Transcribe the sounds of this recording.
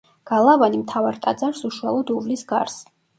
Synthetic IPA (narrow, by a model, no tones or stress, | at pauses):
ɡ̥alˠavanimt̪ʰavaɾt̪ʼad̪zaɾsuʃua̰lˠɔd̪uvlisɡa̰ɾs